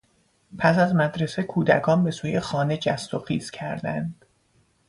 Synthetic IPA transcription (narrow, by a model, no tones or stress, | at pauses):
pʰæsæzmæd̪ɾese̞kʰuːd̪ækʰɒːnbe̞suːje̞xɒːne̞d͡ʒæst̪oxiːz̥cʰæɾd̪ænd̪̥